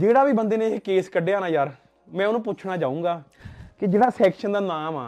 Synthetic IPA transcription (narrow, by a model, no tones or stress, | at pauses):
d͡ʒeːɽaːʋiːbənd̪eːneekeːskəɖːeːaːnaːjaːɾ | mɛ̃ːʊnũːp̬ʊt͡ʃʰɽaːd͡ʒaːũːɡaː | kɪd͡ʒeːɽaːsɛːkʃənd̪aːnaːmaː